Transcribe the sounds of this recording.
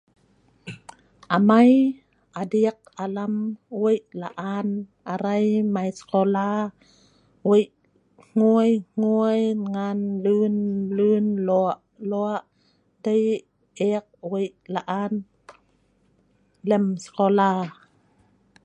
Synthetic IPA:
ʔamaj | ʔadiək̚ʔalamwejlaʔaːnʔaɾajmajskɔlaː | wej | ŋ̥ujŋ̥ujŋanlɯnlɯnlɔʔ | lɔaʔ | daj | ʔek̚wejlaʔaːn | lɛmskɔlaː

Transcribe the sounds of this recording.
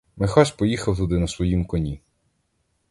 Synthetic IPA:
mɪxɔʃʲpɔjixɐwt̪ud̪ɪnɐsʋɔjimkɔnʲi

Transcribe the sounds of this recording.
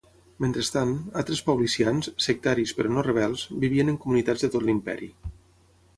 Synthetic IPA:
ment̪ɾəst̪analˠt̪ɾəspəwlisianssːək̚t̪aɾispəɾɔnorəβ̞ɛlˠzbiβ̞iənəŋkumunit̪ad͡zðət̪ot̪limpɛ̰ɾḭ

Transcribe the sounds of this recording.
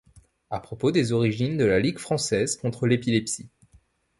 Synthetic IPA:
apχɔpod̪ezɔʁiʒind̪əlaliɡfχɑ̃sɛzkɔ̃t̪χəlepilɛpsi

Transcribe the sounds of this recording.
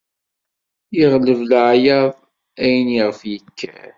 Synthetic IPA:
jiʁləvlʕjæðˤ | æjniʁfjəkʰːæ̰

